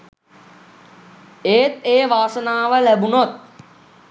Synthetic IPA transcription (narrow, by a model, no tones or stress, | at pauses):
eːt̪eːʋaːsənaːʋəlæbunot̪̚